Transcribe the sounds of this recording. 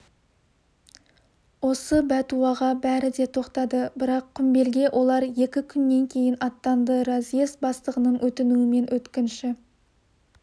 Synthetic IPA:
wo̞səbæt̪uɑʁɑbæɾɪd̪e̞t̪ʰo̞qt̪ɑd̪əbɪɾɑqʰːʏmbe̞lɡʲe̞ʔo̞lˠɑɾje̞kʲɪkʲʰʏnːe̞ŋkʲʰe̞jɪnɑt̪ːɑnd̪əɾazjesbɑst̪əʁənəɴwʔɵt̪ɪnuɪme̞nwɵt̪kʲɪnʃɪ

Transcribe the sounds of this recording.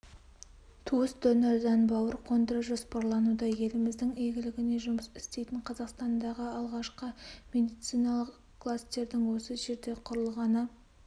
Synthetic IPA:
t̪ʰuəsd̪ɵneɾzɑnbɑwəɾqʰo̞nd̪əɾəʒospɑɾlˠɑnud̪ɑje̞lɪmɪzd̪ɪŋeɡʲɪlɪɡʲɪne̞ʒʊməsɪst̪e̞jt̪ɪɴqʰɑzɑqst̪ɑnd̪ɑʁəɑlˠʁɑʃqəmʲe̞d̪ijt̪sijnɑlˠəq | kʰːlˠast̪e̞ɾd̪ɪŋwo̞səʒe̞ɾd̪e̞qʰʊɾəlˠʁɑnə

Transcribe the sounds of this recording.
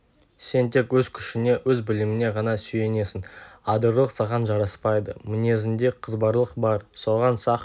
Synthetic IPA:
se̞nt̪ʰe̞kwɵzkʲʰʏʃɪne̞wɵzbɪlɪmɪne̞ʁɑnɑsʏje̞ne̞sɪnɑd̪əɾlˠəqsɑʁɑnʒɑɾɑspɑjd̪əmɪne̞zɪnd̪e̞qʰəzbɑɾlˠəqbɑɾso̞ʁɑnsɑq

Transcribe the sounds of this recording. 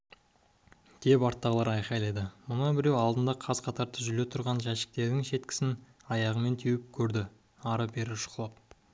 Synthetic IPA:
d̪̥e̞pɑɾt̪ːɑʁəlˠɑɾɑjqɑjlˠɑjd̪əmʊnɑbɪɾewɑlˠd̪ənd̪ɑqʰɑzqʰɑt̪ɑɾt̪ʰəʒʏle̞t̪ʰʊɾʁɑnʒæʃɪ̥k̚t̪e̞ɾd̪ɪŋʃe̞t̪kʲɪ̥sɪn | ɑjɑʁəme̞nt̪ʰewɪp̚kʲʰɵɾd̪ɪ | ɑɾəbe̞ɾɪpʃʊ̥qlˠɑp̚

